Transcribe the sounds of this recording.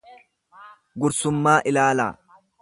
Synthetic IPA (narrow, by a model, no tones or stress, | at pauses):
ɡʊɾsʊmːaːʔɪlaːla̰ː